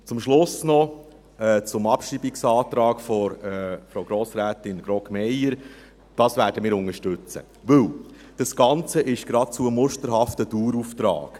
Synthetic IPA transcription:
t͡sʊmʃlʊsnɔ | ɛːt͡sʊmɑpʃibiksɑːt̪ɾɑːɡ̥fɔɾfɾoɡɾoːsɾæːtɪnɡ̥ɾɔkmɛjəɾ | d̥ɑːsʋæːɾdəmɪːɾʊŋəʃtʉt͡sə̰ | ʋɵl | d̥ɑsɡ̥ɑnt͡səʔɪʃɡ̥ɾɑt̚t͡suəmʊʃtəɾɦɑftəd̥uːɾuft̪ɾɑ̰ːɡ̥

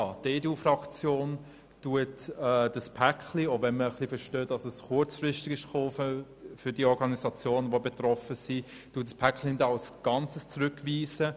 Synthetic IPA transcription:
ɑdeːdeuːfrɑkt͡sjoːn | tuətɛːd̥əspʰækχliovɛnməχlifəʃtøːtdɑsəsχʊɾt͡sfrɪʃtɪɡɪʃχoːf | fʏɾd̥iːɔɾɡɑnisɑt͡sjoːnʋobetrɔfəsi | tuːətspʰæklindɑɑlsɡ̥ɑnt͡səst͡sɾʉkviːsə

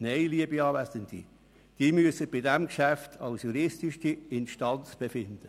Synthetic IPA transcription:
neɪliəbiɑːvæsəndḭ | d̥iːmyəsəb̥ɪdɛmkʃæftʰɑʊsjuɾɪstiʃtiɪnʃtɑnt͡sb̥efɪnd̥̪ə

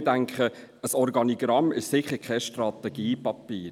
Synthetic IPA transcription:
tæŋkχə | əsɔɾɡɑniɡ̥ɾɑmɪʃsɪχəɾkʰɛʃtrɑt̪ɛɡ̥iːpɑpiːɾ

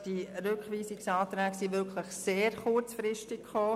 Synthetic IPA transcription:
d̥iɾʏkʋiːsɪksɑːtɾɛːɡsiʋʏkʰləχseːɾχʊrt͡sfɾɪʃtɪkχoː

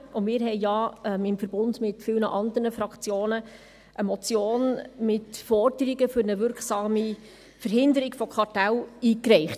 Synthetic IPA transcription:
ʔʊmɪːɾɦɛɪjɑɛmɪmfəɾb̥ʊndmɪtfɪlnəʔɑnd̪əɾnəfɾɑkt͡sjoːnə | ʔəmɔt͡sjoːnmɪtfɔrdəɾɪɡəfʏɾnəvʏɾksɑːmi | fəɾɦɪnd̪əɾɪɡ̥fɔkʰɑrtɛliːkɾɛɪχt

